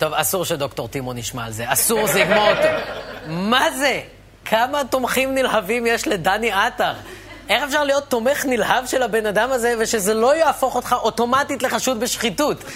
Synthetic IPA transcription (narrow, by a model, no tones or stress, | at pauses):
t̪o̞vasuʁʃed̪o̞kto̞ʁt̪imoniʃmaːlzeasuʁziɡmot̪i | maze | kʰamato̞mχimnilhavimje̞ʃle̞daniataʁ | ʔe̞χefʃaʁlijo̞t̪ːo̞me̞χnilhavʃe̞lhabe̞nadamaze̞veʃe̞zelo̞jaːfo̞χo̞t̪χaʔo̞to̞matitle̞χaʃut̚beʃχitut